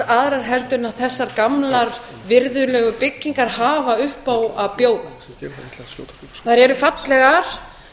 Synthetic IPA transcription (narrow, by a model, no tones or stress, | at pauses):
aðɾaɾ̥ɦɛlt̪ʏnaðθɛsːaɾkamlaɾ | vɪɾðʏlœːɣʏpɪcːiŋkaɾ̥haːvaʏhpaːwaðpjoːwð | θaɾɛɾʏfat̪lɛɣaɾ̥